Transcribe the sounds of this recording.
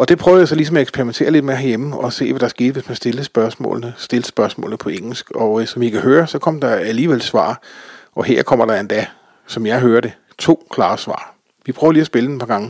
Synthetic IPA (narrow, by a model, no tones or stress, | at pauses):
ɒ̽d̥e̝pʰʁœːʊjɑsɒ̽lisɒ̽mæeɡsb̥ʰeɐʁiment͡sʰe̝̰ːɐle̝d̥meːɐɦæɐjeməɒ̽se̝̰ːʋæɾ̥ɑɐsɡ̥e̝̰ːd̥ʋe̝smænsd̥e̝l̩sb̥ɶɐsmɔ̰ːln̩əsd̥e̝lsb̥ɶɐsmɔ̰̽ːln̩əpʰɒ̽eŋ̰l̩sɡ̥ɒ̽sɒ̽mʋikʰæhøːɐsɒ̽kʰɒ̽m̰d̥ɑ̈æliːʋelsʋɑ̰̈ːʔɒ̽ɦeɐ̰kʰɒ̽m̰ɐɾ̥ɑ̈end̥æ | sɒ̽mjɑ̈ɪɦøːɐɾe̝ | t͡sʰo̝̰ːkʰlɑ̈ːsʋɑ̰̈ː | ʋipʰʁœːʊɐliːæsb̥e̝lədenpʰɑ̈ɡ̥ɑ̈ŋə